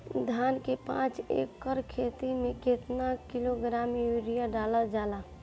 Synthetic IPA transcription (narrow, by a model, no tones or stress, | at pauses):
d̪ʱankepã̰t͡ʃḛkːəɾkʰet̪imeket̪nakiloɡɾamjuɾijaɖaləd͡ʒala